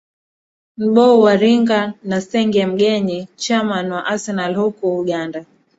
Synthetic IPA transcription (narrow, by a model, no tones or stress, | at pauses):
m̩ɓɔuwaɾiŋɡanasɛŋɡɛm̩ɡɛɲit͡ʃamanwaʔasɛnalhɔkɔuɠanda